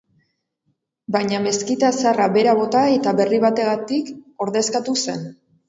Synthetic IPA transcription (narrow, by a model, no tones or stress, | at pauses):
baɲame̞skit̪asaraβe̞ɾaβo̞t̪ae̞t̪aβe̞riβ̞at̪e̞ɣat̪iko̞ɾðe̞skat̪use̞n